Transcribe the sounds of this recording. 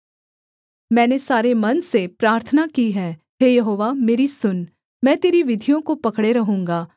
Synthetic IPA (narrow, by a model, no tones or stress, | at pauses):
mɛ̃ːnesaːɾemɐnsepɾaːɾt̪ʰənakiɦɛː | ɦeːjɐɦoːʋameːɾisʊn | mɛ̃ːt̪eːɾiʋɪd̪ʱijõkopɐkɽeɾɐɦũːŋɡaː